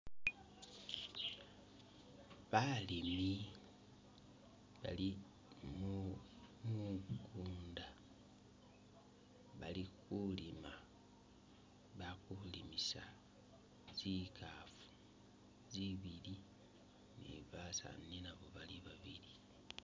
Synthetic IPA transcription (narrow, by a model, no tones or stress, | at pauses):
βalimi | βa̰li | mu | muɡuːnda | βalikulima | βakulimisa | z̥ikʰafu̥ | ziβili | nḭβasa̰ninaβo̞βaliβaβili